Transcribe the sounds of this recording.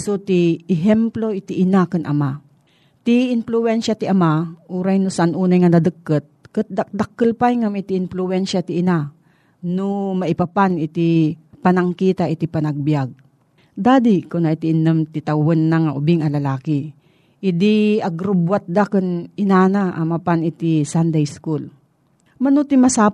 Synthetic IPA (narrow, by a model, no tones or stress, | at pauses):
sot̪ɪɛɦɛmploʔɪt̪iʔɪnakɨnʔɐ̰ma | t̪ɪɪnpluwɛnʃat̪ɪʔɐmaʔuːɾajnʊsaʔanʔuːnajŋanɐd̪ɨkːət̪̚kɨt̪̚d̪ad̪akːɨlpajŋamat̪iʔɪnplʊwɛnʃat̪ɪʔɪna | nomɐʔɪpapanɪt̪ipɐnɐŋkiːt̪aʔɪt̪ipɐnɐɡ̚bjaɡ̚ | d̪aːd̪ikʊnaʔɪt̪ɪʔɪnəmt̪ɪt̪awonːaŋaʔʊbɪŋɐlɐlaːkɪ | ʔɪd̪iɐɡɾʊbwat̪̚d̪akɨnɪnaːnaʔa̰mapanɪt̪isand̪ɛjskul | mɐnot̪ɪmɐsa